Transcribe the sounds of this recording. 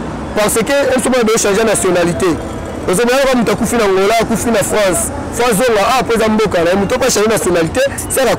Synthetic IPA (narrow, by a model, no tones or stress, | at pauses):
paʁsekeem̩somonabeoʃɑ̃ʒanasjonalite | ozobojakamutuakufinaŋɡolaakufinafʁɑ̃s | fãszoŋɡaapoezambokanaomutupʃãʒenasjonaliteska